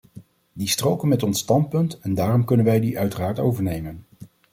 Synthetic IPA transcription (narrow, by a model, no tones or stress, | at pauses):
distrowkənmɛtɔnsːtɑnt̚pɵntɛndaːrɔmkɵnənʋɛjdiʔœɥtəraːɹtowvəɹnejmən